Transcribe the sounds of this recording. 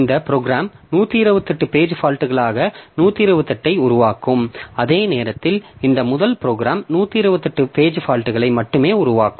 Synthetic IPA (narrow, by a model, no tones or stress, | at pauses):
nd̪ɐpɪɾoːɡɾaːmnuːt̪ːiɪɾɯʋɐt̪ːɐʈːɯpeːd͡ʒɯfaːlʈɯɣɐɭaːɣɐnuːt̪ːiɪɾɯʋɐt̪ːɐʈːɐɪʊɾʊʋaːkːɯmɐðeːneːɾɐt̪ːɪlɪnd̪ɐmʊðɐlpɪɾoːɡɾaːmnuːt̪ːiɪɾɯʋɐt̪ːɐʈːɯpeːd͡ʒɯfaːlʈɯɣɐɭɐɪmɐʈːɯmeːʊɾʊʋaːkɯm